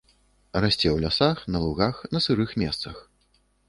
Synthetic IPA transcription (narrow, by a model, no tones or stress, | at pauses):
rasʲt͡sʲɛwlʲasaxnɐlˠuɣaxnɐsɨɾɨxmʲɛst̪sɐx